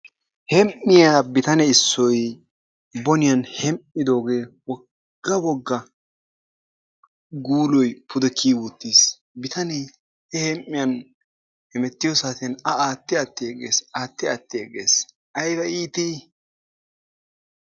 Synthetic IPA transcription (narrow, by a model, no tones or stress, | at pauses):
hɛmʔːɪjaːbɪt̪ɐnɛɪsːɔj | bɔnɪjɐnhɛmʔːɪd̪o̞ːɡeːwɔ | ɡ̥ːɐwɔɡːɐ | ɡuːlɔjpʰʊd̪ɛkʰːiːwʊt̪ːis | bɪt̪ɐnɛj | hɛhɛmʔːɪjɐn | hɛmɛt̪ːɪjɔsaːt̪ɪnɐaːt̪ːɪɐt̪ːɪɛɡḛːsaːt̪ːɪɐt̪ːɪɛɡḛːs | ʔɐjbɐiːt̪i